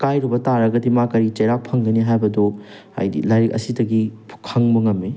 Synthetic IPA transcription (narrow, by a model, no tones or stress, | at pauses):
kajɾubɐtaɾɐɡɐdimakɐɾit͡ʃɐjɾak̚pʰɐŋɡɐniɦajbɐdo | a̰jdḭlaɾikɐ̰sidɐɡikʰɐŋmɐŋɐmːi